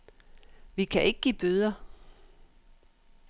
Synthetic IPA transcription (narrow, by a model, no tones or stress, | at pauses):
ʋikʰæʔe̝ɡ̥əɡ̥ḭːb̥øð̞ˠɐ